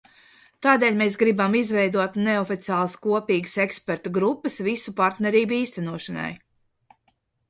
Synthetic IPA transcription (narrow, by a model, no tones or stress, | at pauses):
t̪aːd̪eːlʲmeːsɡɾibamizvɛjd̪uɔt̪neɔfit̪siaːlˠɐskuɔpiːɡəsekspeɾt̪ɔɡɾupːəsvisupaɾt̪nɛɾiːbiːst̪ɛnuɔʃɐna̰j